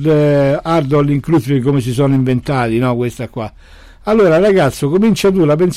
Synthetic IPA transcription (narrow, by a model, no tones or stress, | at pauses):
d̪aɾd̪ɔlːiŋklut̪ɾikːomes̬isɔːniɱvent̪aːðinɔkwest̪akːwa | alːoːɾaraɣat̪sːokomint͡ʃat̪ulapɛns